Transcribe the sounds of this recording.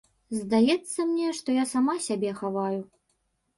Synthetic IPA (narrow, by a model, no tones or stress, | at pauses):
zd̪ajɛt̪sːɐmnʲɛʂt̪ɔjasamasʲabʲɛxavaju